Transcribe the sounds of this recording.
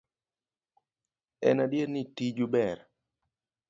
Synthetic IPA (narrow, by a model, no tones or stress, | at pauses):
ɛ̰nadjeɾnitid͡ʒubɛɾ